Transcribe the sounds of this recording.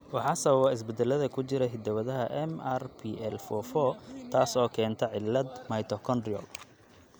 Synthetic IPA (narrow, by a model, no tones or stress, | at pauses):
wɑħɑːsɐβɐβɐɪs̬bɛd̪ɛlɐðɐkʰʊt͡ʃɪɾɛɦɪd̪ɐwɐðɐɦɐʔɛmarpʰiʔɛlfɔfɔt̪ʰaːsɔːkʰɛːnt̪ʰɐʕɪlːɐd̪mɐjt̪ʰɔkʰɔndiɔ̰l